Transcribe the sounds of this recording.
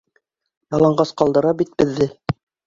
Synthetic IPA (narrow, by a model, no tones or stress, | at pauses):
jɑlˠɑɴɢɑsqɑlˠd̪ɤ̆ɾɑbit̪̚bɘ̆ðːɘ